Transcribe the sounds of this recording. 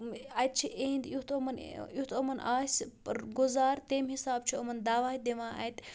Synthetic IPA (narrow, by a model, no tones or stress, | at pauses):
ɐjt̪̚t͡ʃʰiʔeːnd̪jut̪omɐn̰ut̪ʰomɐnʔaːsʲpɐɾɡʊzaːɾt̪eːmɦisaːb̚t͡ʃʰiɐmɐnd̪aːʋaːɦid̪eʋãːʔɐ̰jt̪